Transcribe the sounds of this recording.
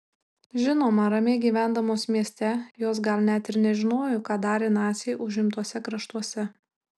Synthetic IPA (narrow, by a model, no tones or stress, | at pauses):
ʒʲɪnoːmɐɾɐmʲeːɡʲiːʋʲæˑnd̪ɐmoːsmʲiɛsʲt̪ʲɛjoːs̬ɡɐlʲˠnʲæt̪ʲɪɾnʲɛʒʲɪnoːjʊkɑːd̪ɑːɾʲeːnɑːsʲeːʔʊʒʲɪmt̪uɔsʲɛkɾɐʃt̪uɔsʲɛ